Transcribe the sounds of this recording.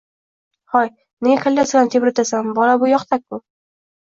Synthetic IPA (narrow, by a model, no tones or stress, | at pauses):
hɒj | nɪɡʲakʰalʲdasɡʲant̪ʰebɾɪt̪ʰasambɒlabʊjɒqt̪ʰakʰːʊ